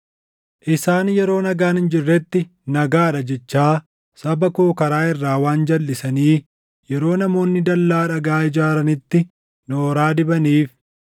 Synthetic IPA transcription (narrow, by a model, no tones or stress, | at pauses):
ʔɪsaːnjɛɾo̞ːnɐɡaːnhɪnd͡ʒɪrːɛt̪ːɪ | nɐɡaːᶑɐd͡ʒɛt͡ʃːaː | sɐbɐkoːkɐɾaːɪrːaːwaːnd͡ʒɐlːɪsɐniː | jɛɾo̞ːnɐmo̞ːnːɪd̪ɐlːaːᶑɐɡaːɪd͡ʒaːɾɐnɪt̪ːɪ | noːɾaːd̪ɪbɐniːf